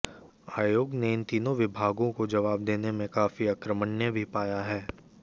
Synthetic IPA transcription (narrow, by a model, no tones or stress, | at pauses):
aːjoːɡneɪnt̪iːnõʋɪbʱaːɡõkod͡ʒɐʋaːb̚d̪eːnemẽkaːfiaːkɾəməɳːjəbʱipaːjaɦɛː